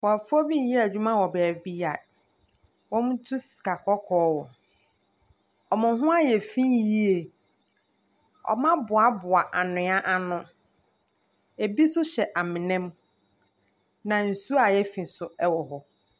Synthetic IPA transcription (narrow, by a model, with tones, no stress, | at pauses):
wɔ˨a˨fɔ˦bi˦ɛ˦æ˨d͡ʑᶣu˦mã˦wɔ˨bæ˨bi˦ja˨ | wɔ̃˦mũ˦tʰu˦si̥˨kʰa˨kʰɔ˦kʰɔː˨˦wɔ˨ | ɔ˨mʊ̃˨ɦʊ̃˦a˦jɛ˨fĩ˦ji˦e˨ | ɔ̰˨mã˦bʊ˨a˨bʊ˨a˨ʔa˨nʊ̃˨a˦ʔa˨nʊ̃˦ | e˨bi˦sʊ˦ɕɛ˨ʔa˨mɪ̃˨nɛ̃˦m | nã˨n̩˨su˦a˨jɛ˦fĩ˨sʊ˨ɛ˦wɔ˨ɦɔ˨